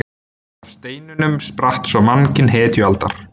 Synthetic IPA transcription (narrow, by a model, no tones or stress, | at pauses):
afst̪eːjnʏnʏmspɾaht̪sɔmancɪnɦɛːt̪ʏalt̪a̰ɾ̥